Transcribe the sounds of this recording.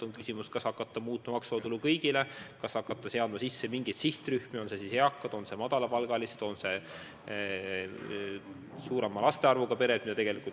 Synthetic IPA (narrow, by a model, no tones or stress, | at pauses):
oŋkysimuskɑshɑkːˑɑt̪ːɑmuːt̪ːˑumɑmɑksot̪ulukɤjɡ̥ile̞kɑshɑkːˑɑt̪ːˑɑse̞ɑd̪mɑsisːemiŋɡ̥ejt̪siht̪ryhmeo̞nsesisheɑkːˑɑd̪̥o̞nsemɑd̪̥ɑlɑpɑlɡ̥ɑlised̪̥o̞nse̞ | suːɾe̞mɑlɑst̪eɑrvuɡ̥ɑpe̞ɾed̪̥̚mid̪ɑt̪eɡe̞likul